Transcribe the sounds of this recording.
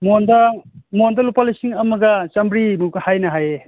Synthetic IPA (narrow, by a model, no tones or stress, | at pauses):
mondɐmondɐlupalɐjsiŋɐmɐɡɐt͡ʃɐmbɾimuɡɐhajnɐɦaje